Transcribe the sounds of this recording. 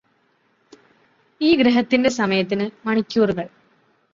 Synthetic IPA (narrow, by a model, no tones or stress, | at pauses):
iːɡɾeɦɐt̪ːinde̞sɐmɐjɐt̪̬ːinɨmɐɳikʲːuːruɣɐɭ